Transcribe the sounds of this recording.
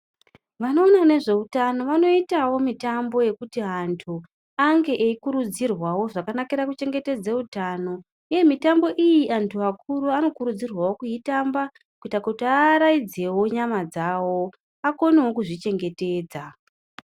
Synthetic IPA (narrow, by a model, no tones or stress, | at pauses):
ʋano̞ːnane̞ʐe̞utano̞ʋano̞itawo̞mitambo̞je̞kutiɦantʰu | aŋɡe̞ʔeikuɾud͡zirwawo̞ʐakanakiɾakut͡ʃe̞ŋɡe̞te̞d͡zeutaːno̞ | uje̞mitambo̞ʔijiʔantʰuakʰuɾuano̞kuɾud͡zirwawo̞kuitamba | kuitakuutiaːɾaid͡ze̞wo̞ɲamad͡zawo̞ | ako̞newokuʐit͡ʃe̞ŋɡe̞te̞ːd͡za